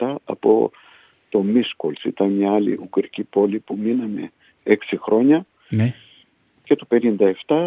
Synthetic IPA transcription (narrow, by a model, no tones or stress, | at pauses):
ɐɐ̰po̞̰ | t̪o̞miskolsḭt̪ɐnmɲɐɐlḭʔukɾicipo̞lipuminɐme̞̰ | eksixɾo̞ɲɐ | ce̞t̪ope̞nind̪ɐe̞ft̪ɐ